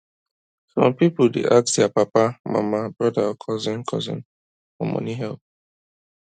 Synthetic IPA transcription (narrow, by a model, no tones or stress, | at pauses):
sɔ̰̃mpipʊdḛʔaksjapapama̰mabɹɔdakʰɔzɪ̃nkʰɔzɪ̰̃n | fɔmɔ̰̃niɦɛlp